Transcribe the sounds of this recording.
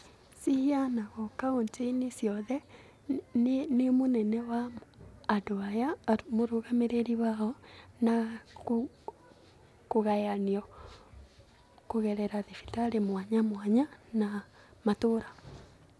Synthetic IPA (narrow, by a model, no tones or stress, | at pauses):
sihianaɣɔkaonteinisjɔðɛ | nnemonɛnɛwaː | doajamoɾoɣameɾeɾiwaɔnako | koɣajaniɔ | koɣɛɾɛɾaðifi̥taɾemwaɲamwaɲana | matoɾa